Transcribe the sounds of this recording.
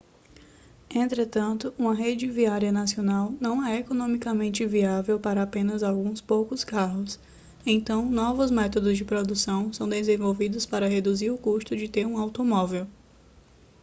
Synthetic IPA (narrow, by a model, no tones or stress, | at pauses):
ẽnt̪ɾet̪ɐ̃nt̪ʊũmɐɦed͡ʒɪviaɾiɐnasionawnɐ̃w̃ɛɛekonõmikɐmẽnt͡ʃɪviavewpaɾɐapẽnɐzawɡũspowkʊskaɦʊs | ẽt̪ɐ̃w̃nɔvʊzmɛt̪od̪ʊzd͡ʒɪpɾod̪usɐ̃w̃sɐ̃w̃d̪ezẽvowvid̪ʊspaɾɐɦed̪uziɾʊkuʃt̪ʊd͡ʒɪt̪eɾũawt̪omɔvew